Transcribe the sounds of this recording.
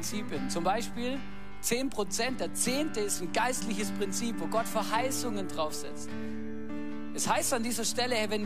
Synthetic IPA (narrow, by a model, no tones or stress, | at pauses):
nt͡siːpənt͡sʊmbaɪʃpiːl | t͡seːnpʁ̥ot͡sɛntd̥eːɐt͡seːntəɪstnɡaɪstlɪçəspʁ̥ɪnt͡siːpv̥oːɡɔtfɛɐhaɪsʊŋəndʁaʊfz̥ɛ̰t͡st | ʔɛshaɪstandiːzɐʃtɛləɛvɛn